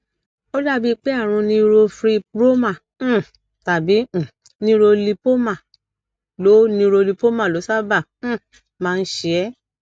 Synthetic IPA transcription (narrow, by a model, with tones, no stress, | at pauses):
o˦da˦˨bi˦˧k͡pe˦a˦˨ɾ̃ũ˧nĩ˧ɾo˧fɾi˧pɾo˦mã˦˨˦ | ta˨bĩ˨˦˨ | nĩ˧˦˧ɾo˧li˧po˦mã˦˨ | lo˨˦nĩ˧ɾo˧li˧po˦mã˦˨lo˨˦sa˦bã˦˨˦ | mãː˦˧n̩˦ʃe˧ɛ˦